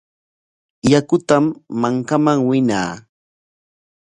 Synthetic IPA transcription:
jakʊt̪amːaŋkamaŋwɪna̰ː

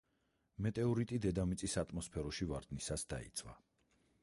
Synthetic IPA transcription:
mɛt̪ʼɛɔɾit̪ʼid̪ɛd̪amit̪sʼisat̪ʼmɔspʰɛɾɔʃivaɾd̪nisasd̪aḭt̪sʼwa̰

